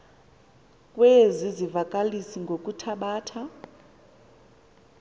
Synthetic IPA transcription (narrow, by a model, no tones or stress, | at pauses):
kʼwezizivakʼalisiŋɡʱokʼutʰaɓaːtʰa